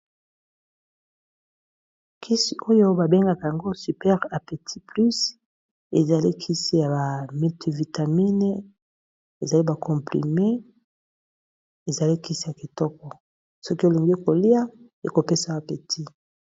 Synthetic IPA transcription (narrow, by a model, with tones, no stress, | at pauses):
kʰi˦si˨ʔo˦jo˦ba˨be˦ŋɡa˦ka˨ja˨ŋɡo˦sy˨pɛ˦ʁa˨pe˨tʰi˦ply˦s | ḛ˨za˨li˦kʰi˦si˦ja˨ba˨me˨ti˨vi˨ta˨mi˦n˦ | e˨za˨li˦ba˨kʰɔ̃˨mpʁḭ˨me˦ | e˨za˨li˦ki˦si˦ja˨ki˨tɔ˦kɔ˨ | sɔ˦ki˦e˨li˨ŋɡe˦ko˨li˦a˦ | e˨ko˨pe˦sa˨˦a˨pe˨tʰi˦